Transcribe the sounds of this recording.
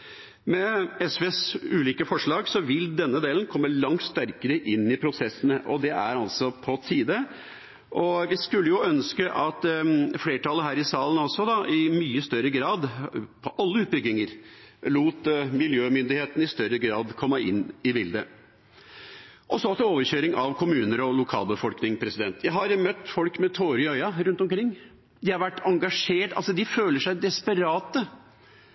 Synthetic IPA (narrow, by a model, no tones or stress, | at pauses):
mɛɛsʋeːsʉːliːkəfɔʂɭɑːɡsɔʋɪld̪ɛnːəd̪eːlən̩kʰɔmːəlɑŋt̪st̪æɾkəɾəʔɪnːɪpʰɾʊsɛsːənəʔɔd̪ɛʔæ̰ɾɑlsɔpʰɔt̪ʰiːd̪ə | ʔɔʋɪskʉlːəjʊœnskəʔɑt̪fleːʈʰɑlːəɦæːɾɪsɑːlənɔsɔd̪ɑʔɪmyːəst̪œɾəɡɾɑːd̪pʰɔʔɑlːəʉːt̪̚bʏɡnɪŋəɾ | luːt̪mɪljøːmʏnd̪ɪheːt̪ən̩ɪst̪œɾəɡɾɑːd̪kʰɔmːəʔɪnːɪbɪld̪ə̰ | ʔɔsɔɑt̪oːʋəçøːɾɪŋʔɑʋkʰʊmʉːnəɾɔlʊkʰɑ̰ːlbəfɔlknɪŋpʰɾɛsɪd̪ɛnt̪ʰjæɪɦɑɾmœt̪ːfɔlkmɛt̪ʰoːɾɪœʏɑɾʉnt̪ɔmkʰɾɪŋː | d̪ɪhɑɾʋæʈːɑŋɡɑʂeːʈɑ̰lsɔd̪ɪføːləʂæɪd̪ɛspəɾɑːt̪ə